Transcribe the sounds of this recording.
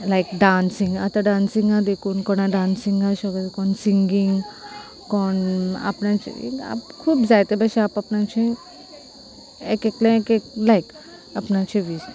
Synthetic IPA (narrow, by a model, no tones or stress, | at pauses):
lajkɖansĩŋɡa̰t̪aɖãnsĩŋad̪ekʰunkɔnaɖansiŋaʃɔɡət̪kɔnsiŋɡiŋ | kɔna̰pnat͡ʃʰḭa̰pkʰubzajt̪ebaʃiapapnat͡ʃʰĩ | ɛkeklẽkeklajk | apnat͡ʃʰiʋis